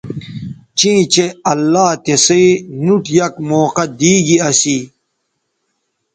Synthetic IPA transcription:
t͡ɕĩːt͡ɕeɐlːaːt̪esinuʈjɐkmoːqɐd̪iːɡiɐsiː

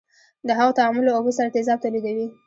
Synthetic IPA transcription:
d̪əɦaɣot̪aɑmʊloːbəsaɾat̪ezɑb̚t̪alid̪awi

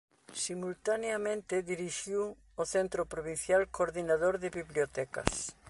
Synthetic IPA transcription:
simult̪aneamẽnt̪ɪðiɾiʃiw | oθent̪ɾopɾoβin̟θjalkoɾðinaðoɾðɪβiβljot̪ɛkɐ̰s

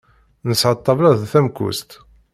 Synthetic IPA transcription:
nəsʕɑt̪ˤːɑvlæðθæmkṵst̪

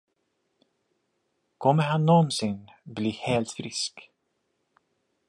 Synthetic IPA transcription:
kʰɔmːəɾhanːɔnsɪnbliːheːlt̪fɾɪsk

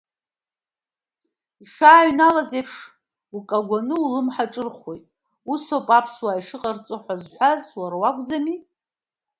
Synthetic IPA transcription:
iʂaːɥnalazepʰʂ | ukʼaɡʷanɨulɨmħaʈ͡ʂʼɨrχojtʼ | usopʼapʰswaiʂɨqʼart͡sʼɨħʷazħʷazwarwakʷʼd͡zamitʼ

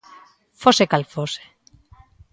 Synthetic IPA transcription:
fosekalfose̥

